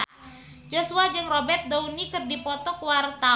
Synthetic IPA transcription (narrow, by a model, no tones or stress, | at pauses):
d͡ʒosuad͡ʒɨŋrobɛrt̪̚dounikɨrdipɔt̪ɔkwart̪a